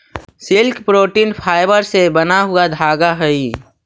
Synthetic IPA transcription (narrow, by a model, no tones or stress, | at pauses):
sɪlkpɾoːʈiːnpʰaːɪbəɾsebənaɦʊad̪ʱaːɡaɦɛi